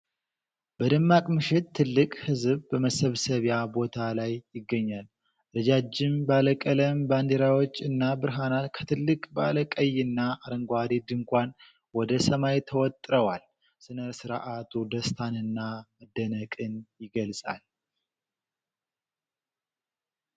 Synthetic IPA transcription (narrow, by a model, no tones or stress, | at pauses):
bəd̪ɨmːakʼmɨʃɪt̪ʰːɨlːɨkʼhɨzβbəməsəβsəβjabo̞t̪ʰalajːɪɡːəɲːal | ɾɨd͡ʒad͡ʒːɪmbaləkʼələmband̪eɾawo̞t͡ʃːɨnːabɨɾɦanalkʰə̥t̪ʰɨlːɨkʼba̰ləkʼəjːɪnːaaɾəŋɡʷad̪id̪ɨŋkʷan | wɔd̪əsəmajt̪ʰəwɔt̪ʼɾəwal | sɨnəsɨɾ̰ʔat̪ʰud̪əst̪ʰanɨnːaməd̪ːənəkʼɨnjɪɡəlsʼa̰l